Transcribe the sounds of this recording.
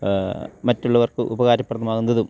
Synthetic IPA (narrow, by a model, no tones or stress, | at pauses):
mɐtːuɭːɐʋɐrkɨʔubɐɣaːɾɐpːrɐt̪ːɐmaːɣunːɐðɨ